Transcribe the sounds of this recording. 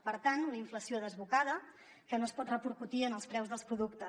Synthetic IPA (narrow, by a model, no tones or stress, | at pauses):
pəɾt̪anləiɱfləsioðəzβukaðə | kənoəspɔt̪rəpuɾkut̪iənəlˠspɾɛwzðəlˠspɾuðuk̚t̪ə